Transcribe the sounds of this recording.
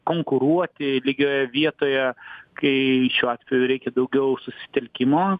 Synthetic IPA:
koːŋkʊɾuɔt̪ʲɪlʲɪɡʲoːjɛʋʲiɛt̪oːjɛkɐɪʃʲuːɑːt̪ʲʋʲɛjuɾʲɛɪkʲɛd̪ɐʊɡʲɛʊsʊsʲɪ̥t̪ʲɛlʲkʲɪmoː

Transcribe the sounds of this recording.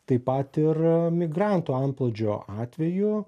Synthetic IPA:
t̪ɐɪpɐt̪ɪrmʲɪɡɾɑnt̪uːɐnplˠoːd͡ʒʲoːʔɑːt̪ʲʋʲɛjʊ

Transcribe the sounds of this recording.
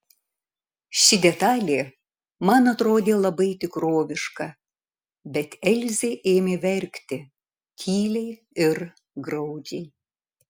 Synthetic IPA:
ʃʲɪd̪ʲɛt̪ɑːlʲeː | mɐnɐt̪ɾoːd̪ʲeːlˠɐbɐɪt̪ʲɪkɾoːʋʲɪʃkɐ | bʲɛt̪ɛlʲzʲeːʔeːmʲeːʋʲɛɾʲkʲt̪ʲɪ | kʲʰiːlʲɛɪ | ɪɾ | ɡɾɐʊd͡ʒʲɛɪ

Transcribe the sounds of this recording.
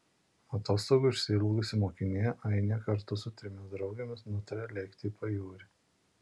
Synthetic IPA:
ɐt̪oːst̪ɔʊɡʊɪʃʲsʲɪlˠɐɡʊsʲɪmoːkʲɪnʲejɛʔɐɪnʲekɐɾt̪ʊsʊt̪ʲɾʲɪmʲɪsd̪ɾɒʊɡʲemʲɪsnʊt̪ɐɾʲelʲɛɪkʲt̪ʲɪiːpɐjuːɾʲɪ

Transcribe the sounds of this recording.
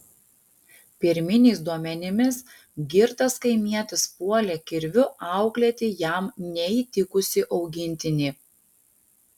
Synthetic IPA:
pʲɪɾʲmʲɪnʲeːsd̪uɔmʲɛnʲɪmʲɪs | ɡʲɪɾt̪ɐskɐɪmʲiɛt̪ʲɪspuɔlʲɛkʲɪɾʲʋʲʊɑʊklʲɛt̪ʲɪjæˑmnʲɛit̪ʲɪkʊsʲɪʔɒʊɡʲɪnʲt̪ʲɪnʲiː

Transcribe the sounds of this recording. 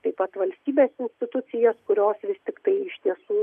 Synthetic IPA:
t̪ɐɪpɐt̪ʋɐlʲsʲt̪ʲiːbʲeːsɪnʲsʲt̪ʲɪt̪ʊt͡ssʲɪjoːskʊɾʲoːsʋʲɪst̪ʲɪkt̪ɐɪɪʃt̪ʲiɛsuː

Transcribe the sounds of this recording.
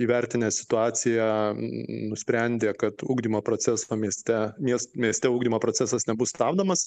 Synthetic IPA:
iːʋʲɛɾʲt̪ʲɪnʲɛːsʲɪ̥t̪ʊɑːsʲɪjæ | nʊsʲpʲɾʲɛnʲd̪ʲeːkɐt̪uːɡd̪ʲiːmoːpɾoːsʲɛsoːmʲiɛsʲt̪ʲɛmʲiɛsmʲiɛsʲt̪ʲɛuːɡd̪ʲimoːpɾoːt͡s̪ʲæsɐsnʲɛbʊsst̪ɑːbd̪omɐs

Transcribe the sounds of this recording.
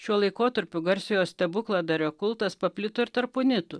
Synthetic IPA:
ʃʲuɔlˠɐɪkoːt̪ɐɾʲpʲʊɡɐɾʲsʲɪjoːsʲt̪ʲɛbʊklˠɐd̪ɐɾʲoːkʊlˠt̪ɐspɐpʲlʲɪt̪oːɪɾt̪ɐɾpʊnʲɪt̪ʊ

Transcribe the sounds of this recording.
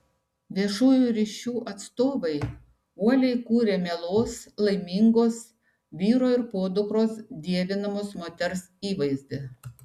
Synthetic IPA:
ʋʲiɛʃuːjuɾʲiːʃʲuːʔɐt̪st̪oːʋɐɪ | uɔlʲɛɪkuːɾʲeːmʲelˠoːslˠɐɪmʲɪŋɡoːs | ʋʲiːɾoːɪɾpoːd̪ʊkɾoːsd̪ʲiɛʋʲɪnɐmoːsmoːt̪ʲɛɾsiːʋɐɪzʲd̪ʲɪ

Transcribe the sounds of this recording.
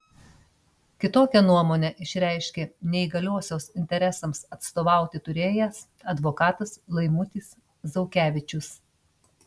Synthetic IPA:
kʲɪt̪oːkʲɛnuɔmoːnʲɛʔɪʃʲɾʲæˑɪʃʲkʲɛnʲɛɪɡɐlʲuɔsʲoːsɪnʲt̪ʲɛɾʲɛsɐmsɐt̪st̪oːʋɑˑʊt̪ʲɪt̪ʊɾʲeːjæs | ɐd̪ʋoːkɑːt̪ɐslˠɐɪmʊt̪ʲiːs | zɒʊkʲæːʋʲɪt͡ʃʲʊs

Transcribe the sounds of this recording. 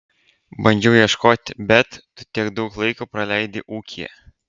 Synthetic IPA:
bɐnʲd͡ʒʲɛʊjiɛʃkoːt̪ʲbʲɛt̪ːʊt̪ʲiɛkd̪ɐʊklˠɐɪkopɾɐlʲæɪd̪ʲɪʔuːkʲijɛ̰

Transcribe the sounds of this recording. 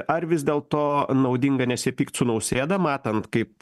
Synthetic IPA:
ʔɐrʋʲɪzd̪ʲeːlˠt̪oːnɐʊd̪ʲɪŋɡɐnʲɛsʲɪpʲiːkt̪sʊnɐʊsʲeːd̪ɐmɑːt̪ɐnt̪kɐɪp̚

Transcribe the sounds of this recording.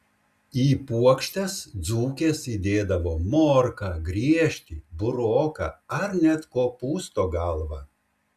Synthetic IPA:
iːpuɔkʃʲt̪ʲɛsd̪zuːkʲeːsiːd̪ʲeːd̪ɐʋoːmoːɾkɑɡɾʲiɛʃʲt̪ʲiːbʊɾoːkɑ̰ːɐɾnʲɛt̪koːpuːst̪oːɡɐlˠʋɑː

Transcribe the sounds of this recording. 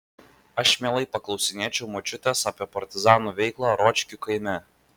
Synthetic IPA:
ɐʃmʲeɛlˠɐɪpɐklˠɒʊsʲɪnʲeːt͡ʃʲɛʊmot͡ʃʲʊt̪ʲeːsɐːpʲiɛpɐɾʲt̪ʲɪzɑːnuːʋʲɛɪklˠɑɾɔːt͡ʃʲkʲukɐɪmʲɛ

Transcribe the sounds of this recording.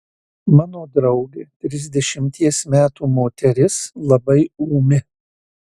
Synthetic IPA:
mɑːnoːd̪ɾɐʊɡʲet̪ʲɾʲɪzʲd̪ʲɛʃʲɪmʲt̪ʲiɛsmʲæːt̪uːmoːt̪ʲɛɾʲɪslˠɐbɐɪuːmʲɪ

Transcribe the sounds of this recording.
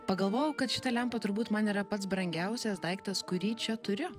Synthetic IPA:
pɐɡɐlˠʋoːjɛʊkɐt̪ʃʲɪt̪ɐlʲɛmpɐt̪ʊɾbuːt̪mɐniːɾɐpɐt̪sbɾɐŋʲɡʲæʊsʲɛsd̪ɐɪkt̪ɐskʊɾʲiːt͡ʃʲɛt̪ʊɾʲɪ

